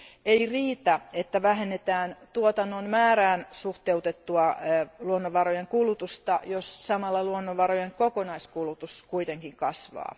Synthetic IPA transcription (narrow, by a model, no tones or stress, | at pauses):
eiriːt̪æet̪ːæʋæɦenːet̪æːnt̪uot̪ɑnːonmæːræːnsuht̪eut̪et̪ːuɑluonːoʋʋɑɾojeŋkulut̪ust̪ɑjossɑmɑlːɑluonːoʋɑrojeŋkokonɑiskulut̪uskuit̪eŋkiŋkɑsʋɑ̰ː